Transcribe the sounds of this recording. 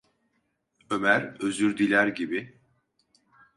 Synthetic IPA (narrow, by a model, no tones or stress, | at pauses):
ø̞mæɾøzyɾd̪ilʲæɾɟibi